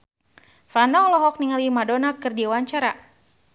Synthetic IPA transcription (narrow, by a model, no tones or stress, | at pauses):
fanɔŋlɔɦɔk̚niŋalimadɔnakɨrdiwaɲt͡ʃaɾa